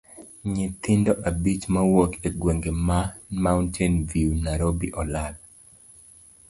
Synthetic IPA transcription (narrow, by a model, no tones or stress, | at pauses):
ɲɪt̪ɪndɔʔabit͡ʃmawokeɡweŋɡemamawntʰɛnviunaɾobiʔɔlad̚